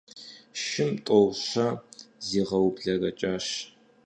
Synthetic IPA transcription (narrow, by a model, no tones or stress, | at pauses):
ʃɪmtʼɔwɕɐziːʁɐwbɮɐrɐt͡ʃʼaːɕ